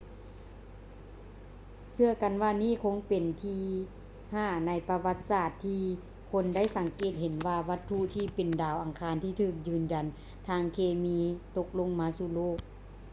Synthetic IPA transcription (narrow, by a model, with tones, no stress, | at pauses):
sɯ˧əka˨nwaː˧niː˥˩˨kʰo˧˥ŋpe˨˩nt̪ʰiː˧ | haː˧˩na˧˥˩jpa˧wa˧˥t̪̚saː˧˩t̪ʰːiː˧ | kʰo˧˥nda˥˨jsa˨˦ŋkeː˧˩t̪̚ɦe˨˦nʋaː˧ʋa˧˥t̪ʰːu˧˨t̪ʰiː˧˩pe˨˩ndaː˨˩wʔa˨˩ŋkʰaː˧˥nt̪ʰiː˧˩t̪ʰɯː˧˩k̚jɯː˧˩nd͡ʑa˨˩n | t̪ʰaː˧˩ŋkʰeː˧miː˧˨t̪o˧k̚lo˧˥˨ŋmaː˧˥suː˧loː˥˨˩k̚